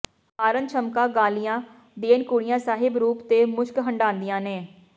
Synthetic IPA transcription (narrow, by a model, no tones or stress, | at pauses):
aːɾənt͡ʃʰəmkãːɡaːlɪjãː | d̪eːnkʊːɽɪjãːsaːɦɪbɾuːpt̪eːmʊʃkɦəɳɖãːnd̪ijãːneː